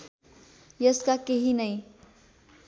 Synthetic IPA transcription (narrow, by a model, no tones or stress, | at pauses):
jʌskakeɦinʌj